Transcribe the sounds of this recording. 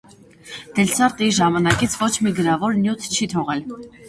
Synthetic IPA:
d̪̥ɛlsɑɾt̪iʒɑmɑnɑkit͡sʰvɔt͡ʃʰmiɡəɾɑvɔɾnjut̪ʰt͡ʃʰit̪ʰɔʁɛl

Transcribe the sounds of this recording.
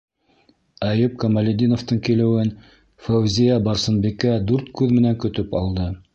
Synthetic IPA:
æjɘp̚kɐmɐlʲɪd̪ʲinŏft̪ɤɴkilɘ̆wɘn | fæwzʲijæbɑɾsɤ̆nbikæd̪ʉɾt̪̚kʉðmɘ̆næŋkɵ̆t̪ɵpɑlˠd̪ɤ

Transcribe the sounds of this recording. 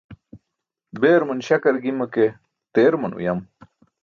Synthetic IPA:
beːɾmɐnɕɐkɐɾɡimɐke | t̪eːɾmɐnṵjɐm

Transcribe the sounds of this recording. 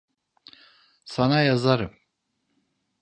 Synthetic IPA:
sanajazaɾɨm

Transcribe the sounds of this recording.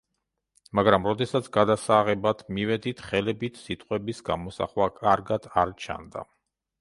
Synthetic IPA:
maɡɾamɾɔd̪ɛsat̪sʰɡad̪asaʁɛbat̪ʰmivɛd̪it̪ʰχɛlɛbit̪ʰsit̪ʼqʼwɛbisɡamɔsa̰χwakʼaɾɡad̪aɾt͡ʃʰa̰nd̪a̰

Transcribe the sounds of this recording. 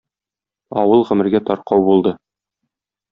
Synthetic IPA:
ɒ̰wɤlˠʁɵ̆mɘ̆ɾɡæt̪ɒɾqɑwbulˠd̪ɤ

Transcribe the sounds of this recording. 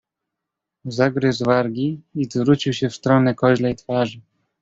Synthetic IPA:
zaɡɾɘzvaɾɡʲiizvɾut͡ɕiwɕɛfst̪ɾɔnɛkɔʑlɛjt̪faʐɘ

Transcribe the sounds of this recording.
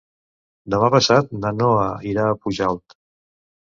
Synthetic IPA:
d̪əmapəsat̪̚nənoəiɾaːpuʒalˠt̪

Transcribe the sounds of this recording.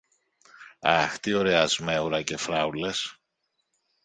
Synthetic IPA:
ɐxt̪ioɾeɐzmeuɾɐce̞fɾɐule̞s

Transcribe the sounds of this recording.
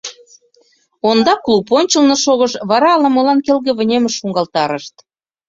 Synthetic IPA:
ond̪ɑkluponʲt͡ɕəlnŏʃoɣɤʃβɑɾɑːlɑmolɑnkelɣĕβə̆nʲemĕʃuŋɡɑlt̪ɑɾəʃt̪

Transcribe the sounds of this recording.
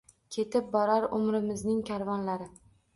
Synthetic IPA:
kʲʰe̞t̪ʰɪp̚bɒɾaɾʊmɾɪmɪznɪŋkʲʰaɾvɒnlaɾɪ

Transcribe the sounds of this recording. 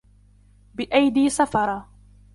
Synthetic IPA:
bɪʔajd̪iːsafɑɾˤɑ

